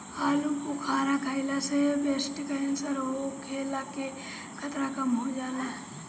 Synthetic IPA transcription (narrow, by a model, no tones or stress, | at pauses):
aːlukʊkʰaːɾakʰaɪlasebeːsʈikɐɪnsɐɾɦokʰeːlake | kʰɐt̪ɾakɐmɦod͡ʒaːnaɦɛ